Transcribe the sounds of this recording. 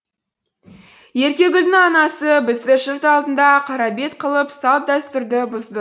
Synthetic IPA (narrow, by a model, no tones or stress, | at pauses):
je̞ɾkʲe̞ɡʲʏlnɪŋɑnɑsəbɪzd̪ɪʃəɾt̪ɑlˠd̪ənd̪ɑqʰɑɾɑbe̞t̪̚qʰəlˠəpsɑp̚d̪æst̪ʏɾd̪ɪbʊzd̪ə